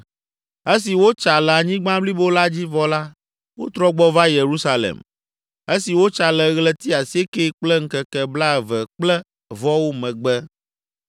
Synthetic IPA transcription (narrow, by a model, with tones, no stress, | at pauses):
e˦s̬i˨wo˦t͡ʃa˨lɛ˨a˨ɲĩ˦ɡ͡bã˦bli˦bo˦la˦d͡ʑi˦vɔ˦la˦ | wo̰˦t̪ɾɔ˦ɡ͡bɔ˦va˦je˨ɾu˦sa˦lḛ˨m | e˦si˨wo˦t͡ʃa˨lɛ˨ɣlɛ˦t̪i˦a˨si˦e˦ke˦k͡plɛ˦ŋ̩˦kɛ˨kɛ˨bla˦˨vɛ˨k͡plɛ˦ | vɔ˦wo˦mɛ̃˨ɡ͡bɛ˦